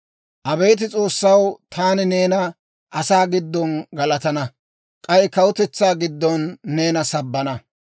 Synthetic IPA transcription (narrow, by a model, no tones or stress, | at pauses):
ʔɐbeːt̪̬ɪt͡sʼo̞ːsːɐwt̪ʰaːnɪne̞ːnɐ | ʔɐsaːɡɪd̪ːɔnɡɐlɐt̪ɐnɐ | kʼɐjɪkɐwʊt̪ɛt͡sːaːɡɪd̪ːɔnːeːnɐsɐbːɐnɐ